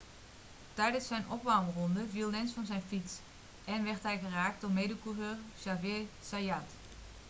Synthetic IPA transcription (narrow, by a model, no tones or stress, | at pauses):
tɛjdənsːɛjnʔɔpʋaːmrɔndəvilˠnɛnsfɑnzɛjnfits | ɛnʋɛrtɦɛjɣəraːk̚tɔmejdəkuvərʃavɪsajat